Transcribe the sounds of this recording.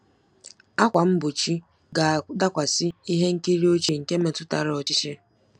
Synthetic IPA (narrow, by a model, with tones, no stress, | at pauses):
a˦kʷa˨m̩˦bʊ˨t͡ʃi˦ | ɡa˨da˦kʷa˨sɪ˦i˦ɦe˦ŋ̩˦ki˦ɾi˦o˦t͡ʃi˨ŋ̩˨ke˦me˨tʊ˦ta̰˨ɾɔ˨t͡ʃɪ˦t͡ʃe˦